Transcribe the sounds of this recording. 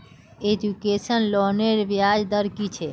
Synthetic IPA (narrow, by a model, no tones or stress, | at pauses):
ed͡ʒukesənlɔneɾbjad͡ʒd̪əɾkit͡ʃʰe